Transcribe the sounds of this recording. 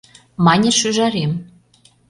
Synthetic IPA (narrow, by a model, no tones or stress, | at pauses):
mɑnʲĕʃyʒɑɾem